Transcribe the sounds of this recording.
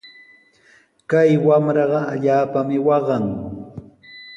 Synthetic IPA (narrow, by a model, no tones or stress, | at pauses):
kajwamɾɑɢɑaʎaːpamɪwɑɢɑŋ